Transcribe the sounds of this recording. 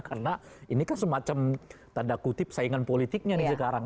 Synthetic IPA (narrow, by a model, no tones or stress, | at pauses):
karənainikansəmat͡ʃamt̪andakut̪ɪp̚saiŋanpolit̪ik̚ɲanɪsəkaɾaŋ